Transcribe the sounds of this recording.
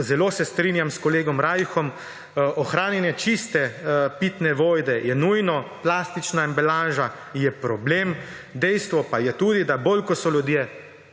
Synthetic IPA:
zɛloːsɛst̪ɾiːnjamskɔleːɡɔmɾaːjxɔm | ʔɔxɾaːnjɛnjɛt͡ʃist̪ɛpit̪nɛʋoːjd̪ɛjɛnujnɔplaːst̪it͡ʃnaimbɛlaːʒa | jɛpɾɔblem | d̪ɛjst̪ʋɔpajɛt̪uːd̪id̪abolkɔsɔlʲud̪je

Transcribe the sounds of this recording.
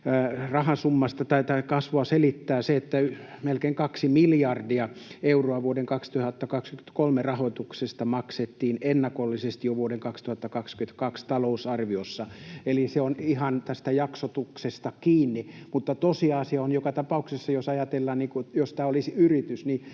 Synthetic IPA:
rɑhɑsumːɑst̪ɑt̪ɑit̪ɑkɑsʋoɑselit̪ːæːseet̪ːæymelkeːŋkɑksimiljɑrdiɑeuroɑʋuodeŋkɑkst̪uhɑt̪ːɑkɑkskymye̥t̪kolmerɑhoit̪uksest̪ɑmɑkset̪ːiːnenːɑkolːisest̪ijoʋuoɾeŋkɑkst̪uhɑt̪ːɑkɑkskyment̪kɑkst̪ɑlousɑrʋiosːɑeliseonihɑnt̪æst̪æjɑksot̪uksest̪ɑkiːnːimut̪ːɑt̪osiɑsiɑonjokɑt̪ɑpɑuksesːɑjosɑjɑt̪elːɑːnniːkujost̪æolisiyrit̪ysni

